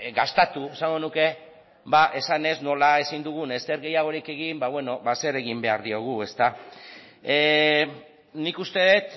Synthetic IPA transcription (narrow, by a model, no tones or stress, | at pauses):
ɡast̪at̪ue̞saŋɡo̞nuke̞ | baʔe̞sane̞zno̞lae̞sind̪uɣ̞une̞st̪eɾɣe̞jaɣ̞o̞ɾike̞ɣimbaβwe̞no̞βase̞ɾe̞ɣimbe̞aɾðio̞ɣ̞ue̞st̪a | nikust̪e̞ðet̪